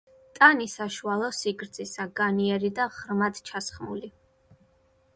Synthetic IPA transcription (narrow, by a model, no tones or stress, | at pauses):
t̪ʼanisaʃualˠɔsiɡɾd̪zʰʼisaɡaniɛɾid̪aʁɾmad̪t͡ʃʰasχmuli